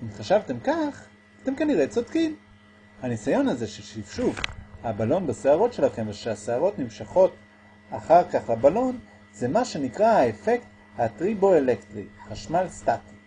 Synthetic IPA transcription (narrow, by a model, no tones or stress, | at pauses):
imχaʃavt̪e̞mkaχ | at̪e̞mkaniʁet͡sodkim | hanisajo̞naze̞ʃelʃifʃufhabalo̞nbeseaʁo̞tʃe̞laχemveʃeaseaʁo̞tnimʃaχo̞t | aχaʁkaχlabalo̞n | zemaʃe̞nikʁahaefekt̪ | hatʁibo̞elektʁiχaʃmalstak